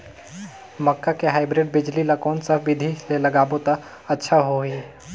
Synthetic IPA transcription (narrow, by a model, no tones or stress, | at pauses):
mɐkːakeɦaːɪbɾeɖ̚bɪd͡ʒlilakɔːnsɐbɪd̪ʱiselɐɡaːbot̪a | ɐtːʃʰaɦoi